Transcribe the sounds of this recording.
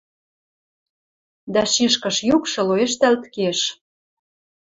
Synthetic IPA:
d̪æʃiʃkɤ̆ʃjukʃɤ̆loeʃt̪ælt̪keʃ

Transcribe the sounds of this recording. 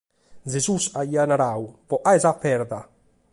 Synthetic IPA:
zezusaianaɾawpɔʔaɛzapːɛɾd̪a

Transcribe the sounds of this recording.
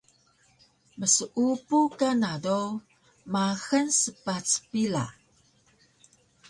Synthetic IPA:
məsəʔupukanado | maxənsəpat͡spila̰

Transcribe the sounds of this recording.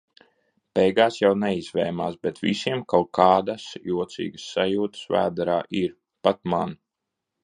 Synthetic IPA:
pɛjɡaːsjawnɛizvɛjma̰ːsbɛt̪visiɛmkawkaːd̪asjuɔt̪sḭːɡəsːajuːt̪ə̥svæ̰ːd̪aɾaːʔiɾ | pat̪̚man

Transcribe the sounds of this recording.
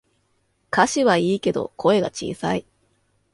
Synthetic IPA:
kaɕiβaiːke̞d̪o̞̰kʰo̞e̞ɡat͡ɕḭːsai

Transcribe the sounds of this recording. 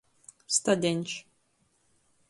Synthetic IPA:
st̪ad̪ʲenʲt͡ʃ

